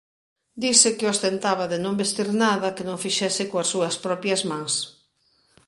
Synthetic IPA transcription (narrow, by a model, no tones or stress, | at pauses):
d̪isɪkɪost̪ent̪aβɐðɪnõŋbest̪iɾnaðɐkɪnõŋfiʃɛsɪkõɐsːuɐspɾɔpjɐzmãŋs